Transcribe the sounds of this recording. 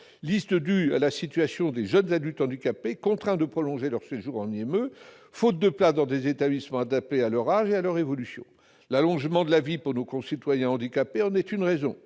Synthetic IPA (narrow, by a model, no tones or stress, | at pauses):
list̪əd̪ya̰lasit̪ɥasjɔ̃d̪eʒœnzad̪ylt̪ɑ̃d̪ikapekɔ̃t̪χɛ̃d̪əpχɔlɔ̃ʒelœʁseʒuʁɑ̃niɛmø | fot̪̚d̪əplad̪ɑ̃d̪ezet̪ablismɑ̃ad̪ap̚t̪ealœʁaʒealœʁevɔlysjɔ̰̃ | lalɔ̃ʒmɑ̃d̪əlavipuʁnokɔ̃sit̪wajɛ̃ɑ̃d̪ikapeɑ̃nɛt̪ynʁezɔ̰̃